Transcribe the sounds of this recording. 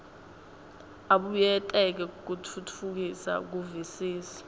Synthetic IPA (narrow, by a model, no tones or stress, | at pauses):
aɓujɛtʼɛk̬ɛuk̬utʰutʰuk̬isa̰k̬uvisiːsḁ